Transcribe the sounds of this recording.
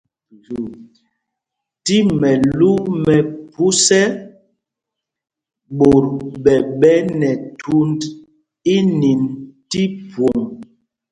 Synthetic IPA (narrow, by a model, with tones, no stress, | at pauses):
ti˦mɛ˨lu˦mɛ˨pu˦sɛ˦ | ɓo˨ɾɓɛ˨ɓɛ˦nɛ˨tʰu˦nd | i˦ni˨nti˦pwo˨ŋ